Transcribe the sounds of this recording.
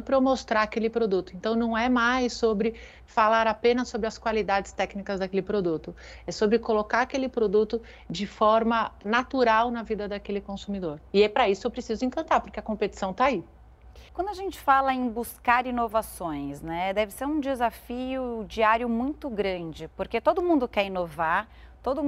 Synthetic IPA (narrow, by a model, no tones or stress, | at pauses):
pɾɐmost̪ɾaɾakelɪpɾod̪ut̪ʊẽnt̪ɐ̃w̃nɐ̃w̃ɛmajsobɾɪ | falaɾapẽnɐsobɾɪɐskwalid̪ad͡ʒɪst̪ɛknikɐzd̪ɐkelɪpɾod̪ut̪ʊ | ɛsobɾɪkolokaɾakelɪpɾod̪ut̪ʊ | d͡ʒɪfɔɾmɐnat̪uɾawnɐvid̪ɐd̪akelɪkõsumid̪oɾɪɛpɾɐisʊewpɾesizʊẽŋkɐ̃nt̪aɾpoɾkeɐkõpet͡ʃi̥sɐ̃w̃t̪ai | kwɐ̃nd̪ʊaʒẽnt͡ʃɪ̥falɐẽbuskaɾinovasõj̃snɛd̪ɛvɪseɾũd͡ʒɪzafiʊd͡ʒiaɾjʊmũj̃t̪ʊɡɾɐ̃d͡ʒɪpoɾket̪od̪ʊmũnd̪ʊkɛɾĩnovaɾ | t̪od̪ʊ